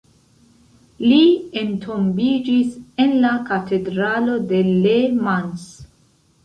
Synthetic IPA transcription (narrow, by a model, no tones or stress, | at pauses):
lientʰombid͡ʒisenlakatʰedɾalo̞de̞lemans